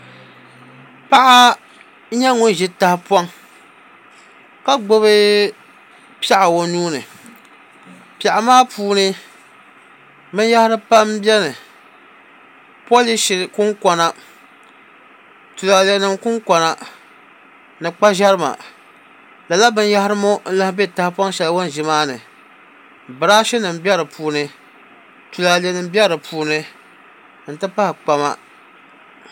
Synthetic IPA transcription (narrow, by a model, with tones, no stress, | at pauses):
pa˦ʔa˦ | ɲɛ˦ŋʊ˦n˦ʒɪ˦ta˨hpɔ˦ŋ | ka˦ɡ͡bo˦βɨ˦ | pɛ˦ʔa˨wo˨nuː˦nɨ˨ | pɛ˨ʔa˨maː˦puː˦nɨ˦ | mɨ˦n˦ja˦hɪ˦ɾɨ˦pa˦mbjɛ˦nɨ˨ | pɔ˦li˦ʃɪ˨kʊ˦ŋkɔ˨na˨ | tu˨la˨lɛ˨nɨ˨mkʊ˦ŋkʷɔ˨na˨ | nɨ˨k͡pa˦ʒɛ˦ɾɨ˦ma̰˨ | la˨la˦bɨ˦n˦ja˦hɪ˦ɾɨ˦mo˦n̩˦la˦hbɛ˦˨ta˦hpɔ˦ŋ˦ʃɛ˨lwo˦n˨ʒɪ˦maː˦nɨ˨ | bɨ˨ɾaː˦ʃɛ˦nɨ˨m˦bɛ˦ɾɨ˨pʰuː˨˦nɨ˦ | tu˨la˨lɛ˨nɨ˨m˦bjɛ˦ɾɨ˨pʰuː˨˦nɨ˦ | n̩˨tɨ˦pa˦hɪ˨k͡pa˨ma̰˦